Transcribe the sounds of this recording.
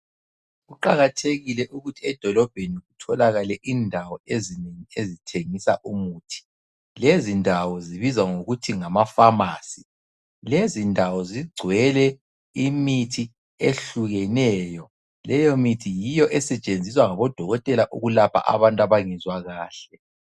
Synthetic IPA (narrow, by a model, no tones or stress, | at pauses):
ɣuǃaɣatʰeɣilɛʔuɣutʰiɛd̥ʱɔlɔb̥ʱeniɣutʰɔlaɣalɛʔiːndʱawɔezineŋiezitʰeŋisa̰ʔumuːtʰi̥ | lezindʱawɔziβizwaŋoɣutʰiŋamafamaːsi | lezindʱawɔziɡ͡ǀʱwɛlɛ | imitʰi | eɬuɣɛnɛːjɔ | lɛjɔmitʰijijɔʔɛsɛt͡ʃʼend͡zʱiswaŋaβɔd̥ʱɔɣɔtʼɛlaʔuɣulapʰa̰ʔa̰βantʼaβaŋɛzwaɣaːɬɛ